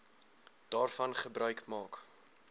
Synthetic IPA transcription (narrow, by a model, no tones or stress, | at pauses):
d̥ɑːrfɐnχəbrœɥkmɑːk